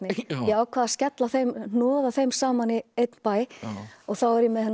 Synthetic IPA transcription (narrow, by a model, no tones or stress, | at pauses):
nɪjɛaːwkʰvaðascɛt̪laθejmnɔːðaθejmsaːmanɪejt̪npaːjɔɣθawɛɾjɛmɛðhɛn